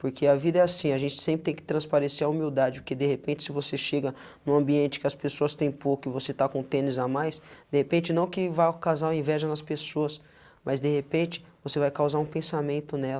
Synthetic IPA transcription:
poɾkʰeɐvid̪ɐɛasĩɐʒẽnt͡ʃɪ̥sẽmp̬ɾɪt̪ẽj̃kɪ̥t̪ɾɐ̃spaɾeseɾɐumiwd̪ad͡ʒɪpʊɾked̪ehepẽnt͡ʃɪ̥sɪvoseʃeɡɐ | nʊ̃ɐ̃mbiẽnt͡ʃɪ̥kɪɐspesoɐst̪ẽj̃pokʊɪvoset̪akõt̪ẽnɪzamajsd̪ehepẽnt͡ʃɪnɐ̃w̃kɪvajkazaɾɐĩvɛʒɐnɐspesoɐs | mʔɐzd̪ehepẽt͡ʃɪ̥vosevajkawzaɾũpẽsamẽnt̪ʊnɛl

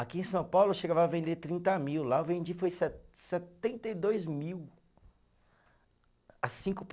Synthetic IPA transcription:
akiẽsɐ̃w̃pawlʊʃeɡavaɐvẽnd̪et̪ɾĩnt̪ɐmiwlaʊvẽnd͡ʒifojsɛsɛt̪ẽnt̪ejd̪ojzmiw | asĩkʊp

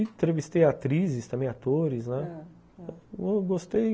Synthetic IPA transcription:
t̪ɾevist̪ejat̪ɾizɪst̪ɐ̃mbẽj̃at̪oɾɪsnɛ | oɡost̪ej

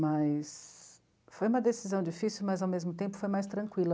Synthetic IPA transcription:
mɐjs | fojũmɐd̪esizɐ̃w̃d͡ʒifisiwmɐzawmezmʊt̪ẽmpʊ̥fojmajst̪ɾɐ̃kwilɐ

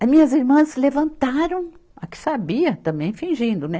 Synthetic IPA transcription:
mĩɲɐziɾmɐ̃slevɐ̃nt̪aɾɐ̃w̃ | akɪ̥sabiɐt̪ɐ̃mbẽj̃fĩʒĩnd̪ʊnɛ

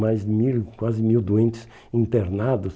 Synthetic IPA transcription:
majzmiwkwazɪmiwd̪uẽnt͡ʃɪ̥s | ĩnt̪eɾnad̪ʊs

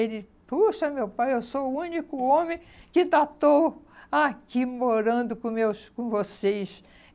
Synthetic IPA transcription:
elɪ | puʃɐmewpajewsoʊũnikʊõmẽ | kɪt̪at̪o | akimoɾɐ̃nd̪ʊkõmewskõvosejs

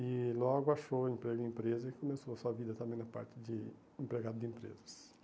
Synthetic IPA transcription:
ɪlɔɡʊaʃowẽmpɾeɡʊẽmpɾezɐɪkɪkomesoɐsuɐvid̪ɐt̪ɐ̃mbẽj̃nɐpa̰ɾt͡ʃɪd͡ʒɪ | ẽmpɾeɡad̪ʊd̪ɪẽmpɾḛzɐs

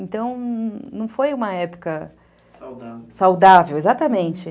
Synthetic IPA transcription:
ẽnt̪ɐ̃w̃nɐ̃w̃fojũmɐɛpʊ̥kɐ | sawd̪avewezat̪ɐmẽnt͡ʃɪ

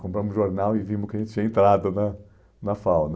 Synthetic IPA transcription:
kõpɾɐ̃mʊʒoɾnawɪvĩmʊskɪɐʒẽt̪ɪt͡ʃĩɐẽnt̪ɾad̪ʊnɐ | nɐfawn

